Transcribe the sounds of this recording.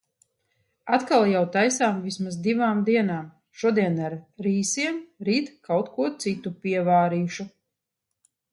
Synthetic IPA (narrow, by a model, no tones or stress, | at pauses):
at̪kalˠjawt̪ajsaːmvismazd̪ivaːmd̪iɛnaːm | ʃuɔd̪iɛnaɾɾiːsiɛmɾiːt̪kawt̪kuɔt̪sit̪upʲiɛvaːɾiːʃu